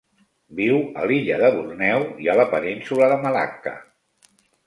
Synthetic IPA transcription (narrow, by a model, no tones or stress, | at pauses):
biwə̰liʎəðəβurnɛwiələpəninsuləðəməla̰kə̰